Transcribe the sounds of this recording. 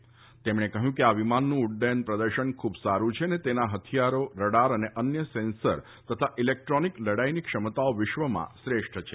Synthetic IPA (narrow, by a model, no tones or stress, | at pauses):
t̪emɽ̃ekəɦjũkeaʋimanːũːɽɖenpɾəd̪əɾʃənkʰubsaɾũt͡ʃʰenet̪enaɦət̪ʰijaɾoɾəɽaɾəneʔənjəsensəɾ | t̪ət̪ʰaʔilek̚ʈɾɔnikləɽajnikʃəmət̪aoʋɪʃʋəmã̰sɾeʂʈʰt͡ʃʰe